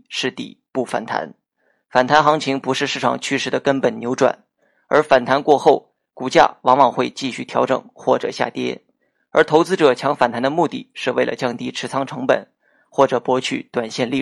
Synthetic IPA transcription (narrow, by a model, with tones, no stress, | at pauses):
ʂɻ̩˥˩t̪ḭ˨˩pu˥˩fa̰˨˩nt̪ʰa̰˧˥n | fa˨˩nt̪ʰa˧˥nxɑ˧˥ŋt͡ɕʰi˧˥ŋpu˧˥ʂɻ̩˥˧ʂɻ̩˥˩ʈ͡ʂʰɑ̰˨˩ŋt͡ɕʰy˥ʂɻ̩˥˩d̪ə˩kə˥npə˨˩nnjo˧˥ʊʈ͡ʂwa̰˨˩˦n | ə˞˧˥fa˨˩nt̪ʰa˧˥nkwɔ˥˧xo˥˩ʊ | ku˨˩t͡ɕja̰˥˩wɑ˧˥ŋwɑ˨˩ŋxwe˥˧ɪt͡ɕi˥˧ɕy˥˩t̪ʰjɑ˧˥ʊʈ͡ʂɤ̰˨˩ŋxwɔ˥˩ʈ͡ʂɤ̰˨˩ɕja̰˥˩t̪jɛ̰˥ | ə˞˧˥t̪ʰo˧˥ʊt͡sɹ̩˥ʈ͡ʂɤ˨˩t͡ɕʰjɑ˧˥ŋfa˨˩nt̪ʰa˧˥nd̪ə˧mu˥˧t̪ḭ˥˩ʂɻ̩˥˧we˥˩ɪlə̰˩t͡ɕjɑ˥˧ŋt̪i˥˩ʈ͡ʂʰɻ̩˧˥t͡sʰɑ˥ŋʈ͡ʂʰɤ˧˥ŋpə̰˨˩˦n | xwɔ˥˩ʈ͡ʂɤ˨˩pwɔ˧˥t͡ɕʰy̰˨˩t̪wa˨˩nɕjɛ˥˧nli˥˩